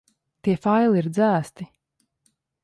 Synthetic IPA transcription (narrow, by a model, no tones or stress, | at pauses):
t̪iɛfajliːɾd̪zæːst̪i